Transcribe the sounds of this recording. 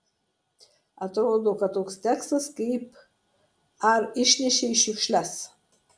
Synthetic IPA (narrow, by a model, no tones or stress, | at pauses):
ɐt̪ɾoːd̪okɐtt̪oːkst̪ʲækst̪ɐskeɪp | arɪʃʲnʲɛʃʲeiʃɪkʃʲlʲæs